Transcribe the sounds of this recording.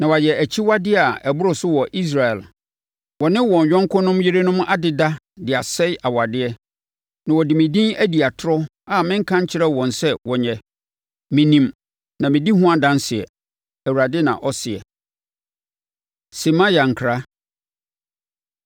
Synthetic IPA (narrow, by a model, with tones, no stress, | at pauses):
nã˨wa˨jɛ˨æ˨t͡ɕʰi˦wa˦dɪ˦a˨ɛ˨bʊ˦ɾʊ˨sʊ˦wɔ˨ʔi˦s̬ɾa˨ɛ˨l | wɔ˨nɪ̃˦wɔ̃˨ɲ˨jᶣɔ̃˦ŋ˦kʰʊ̃˦nʊ̃˦m˦jɪ˦ɾe˦nʊ̃˦m˦ʔa˦dɪ˨da˦ | dɪ˨a˨sɛ˦ja˨wa˨dɪ˦ɛ˦ | nã˨wɔ˨dɪ˨mɪ̃˨dĩ˦æ˦di˨a˨tʰʊ˦ɾɔ˦ | a˨mɪ̃˦ŋ̩˦kʰã˦ɲ˦t͡ɕʰɪ˦ɾɛ˦wɔ̃˨nsɛ˦wɔ˨ɲɛ˨ | mɪ̃˨nĩ˨m | nã˨mɪ̃˨di˦ɦʊ̃˦a˦dã˦n˦sɪ˨ɛ̰˨ | æ˨wu˨ɾa˨dɪ˦nã̰˨ʔɔ˦sɪ˨ɛ̰˨ | si˨mã˦ja˨ŋ̩˨kʰɾa˦